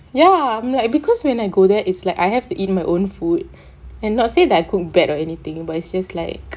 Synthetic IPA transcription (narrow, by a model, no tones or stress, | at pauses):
jaãɪmlaɪk̚bikʰɔswɛ̃naɪɡodɛʔitslaɪkajɦɛftuʔit̚maɪʔõnfud̚ | ɛ̃nːɔt̚sedɛtaɪkʰuk̚bɛtɔɛnit̪ɪ̃ŋbatitsd͡ʒastlaɪk̚